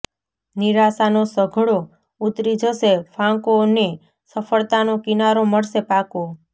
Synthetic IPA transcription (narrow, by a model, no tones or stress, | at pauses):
niɾasanosəɡʱɭo | ut̪ɾid͡ʒʱəsefʰãkone | səfəɭt̪anokinaɾoməɭsepako